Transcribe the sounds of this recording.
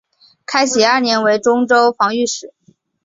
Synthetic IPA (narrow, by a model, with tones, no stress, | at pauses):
kʰa˥ɪɕi˨˩ɐ˞˥˩njɛ˧˥nwe˧˥ɪʈ͡ʂʊ˥ŋʈ͡ʂo˥ʊfɑ˧˥ŋy˥˩ʂɻ̩˨˩˦